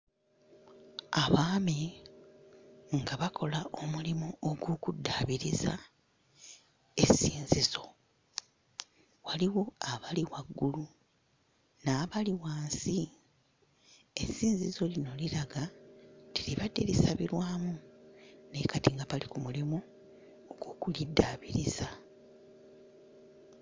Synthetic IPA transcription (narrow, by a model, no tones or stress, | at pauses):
aβaːmi | ŋɡaβakʰo̞laʔo̞mulimuoɡokudːaːβiɾiza̰ | e̞siːnzizo̞ | waliɣo̞aβaliwaɡːulu | naːβaliwaːnsi | esːiːnzizo̞lino̞liɾaɡatiliβadːe̞̰lisaβiɾwaːmu | ne̞katiŋɡapalikumulimoː | ɡoːkulidːaːβiɾiz̥a